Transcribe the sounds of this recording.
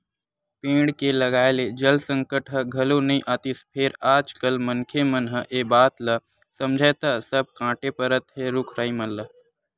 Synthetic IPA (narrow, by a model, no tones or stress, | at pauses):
pẽːɽkelɐɡaːeled͡ʒɐlsə̃ŋkəʈɦəɡʱɐlonɐĩʔaːt̪ɪspʰeːɾaːd͡ʒkəlmənkʰemənɦəʔeːbaːt̪lə | sɐmd͡ʒʱət̪ɐsəb̚kãːʈepəɾət̪ɦeɾʊkʰɾəːimələ